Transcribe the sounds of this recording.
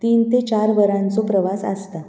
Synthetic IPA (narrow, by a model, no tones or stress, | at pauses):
t̪iːnt̪et͡ɕaɾʋəɾãnt͡sopɾəʋasə̰st̪a